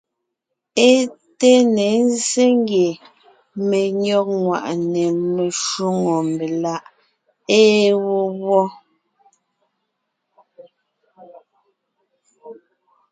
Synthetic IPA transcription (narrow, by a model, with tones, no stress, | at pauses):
e˦ | te˦ne˨˦n˦ze˦ŋ˦ɡje˨ | me˨ɲɔ˦k̚ŋwa̰˨ʔnɛ˨me˨ʃu˦ŋɔ˨m˨be˨la˦ʔ | eː˦wo˦wwɔ˦